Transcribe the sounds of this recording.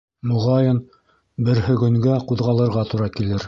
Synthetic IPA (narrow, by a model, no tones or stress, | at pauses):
muʁɑjɤn | bɘ̆ɾhɵ̆ɡɵ̆ŋɡæquðʁɑlˠɤ̆ɾʁɑt̪uɾɑkilɘɾ